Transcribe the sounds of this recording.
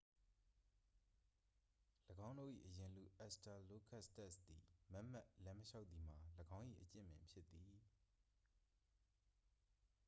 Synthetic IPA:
ləɡã˦ʊ̃ndo̰˦˨ʔḭ˦˨ʔəjɪ̃˨lṵ˨ʔɛ˦sta˨lo˦kʰa˦ʔstɛ˦st̪i˨mɛ˦ʔm̥a˦˨ʔlɛ̃˦məʃa˦ʊt̪̚ði˨m̥a˨ləɡã˦ʊ̃ʔḭ˦˨ʔət͡ɕɪ̰̃˦˨mɪ̰̃˨mpʰjɪ˦t̪ːi˨

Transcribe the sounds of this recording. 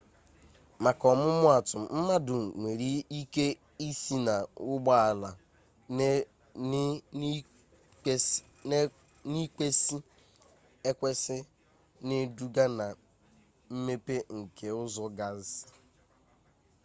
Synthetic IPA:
ma˨kɔ˨mʊ˦mʊ˦a˨tʊ˨m̩˦ma˦dʊ˨ŋʷe˨ɾi˦i˦ke˦ | i˦si˦na˨ʊ˦ɡ͡ba˦a˨la˨˦ | ni˦ke˦si˦ | e˦kʷe˦sɪ˦ | ne˦du˦ɡa˦na˨ | m̩˦me˦pe˦ŋ̩˨kʰe˨ʊ˦zɔ˦ɡa˦sɪ̥˦

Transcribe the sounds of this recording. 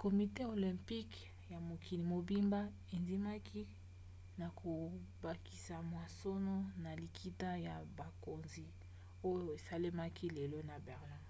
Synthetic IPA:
ko˨mi˨te˦o˨lɛ̃˨mpi˦k | ja˨mo˨kʰi˨ni˨mo˨bi˦mba˦ | e˨nzi˦ma˦ki˦ | na˨kʰo˨ba˨ki˨sa˨mwa˨so˦no˦na˨li˨kʰi˦ta˦ja˨ba˨ko˨nzi˨ | o˦jo˦e˨sa˦le˦ma˦kʰi˦le˨lo˦na˨bɛ˨ʁla˦

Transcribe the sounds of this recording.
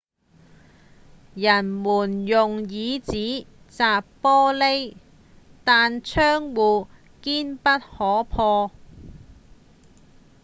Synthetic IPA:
jɐ˨˩nmuː˨˩njʊ˨ŋjiː˨˧t͡siː˨˥ | t͡saː˨ppɔː˥le˥j | t̪aː˨nt͡sʰœː˥ŋwuː˨ | kiː˥npɐ˥t̚hɔː˨˥pʰɔː˧

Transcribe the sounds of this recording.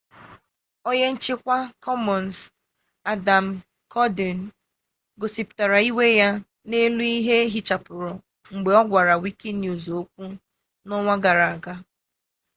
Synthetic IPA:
o˦je˦n̩˦t͡ʃi˦kʷa˦kʰɔ˦mɔ˨n˨s | a˨da˨m̩˨ | kʰɔ˦di˨n˨ | ɡo˨si˨pʊ̥˨ta˨ɾa˨i˦we˦ja˦ | ne˦lu˦i˦ɦe˦ɦi˨t͡ʃa˨pʊ˨ɾɔ˨ | ŋ͡m̩˨ɡ͡be˨ɔ˦ɡʷa˨ɾa˨wi˦ki˦nju˨zo˦kʷu˦ | nɔ˦ŋʷa˦ɡa˨ɾa˨ɡa˦

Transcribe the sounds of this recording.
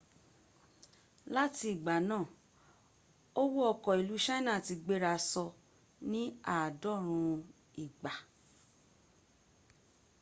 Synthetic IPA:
la˦ti˧i˨ɡ͡ba˨˦nãː˦˨ | o˦wo˦ɔ˧kɔ˨i˨lu˨˦ʃã˦nã˦˨ti˧ɡ͡be˦ɾa˧sɔ˧ | nĩ˦a˦˨dɔ˦˨ɾ̃ũ˧ | i˨ɡ͡ba˨

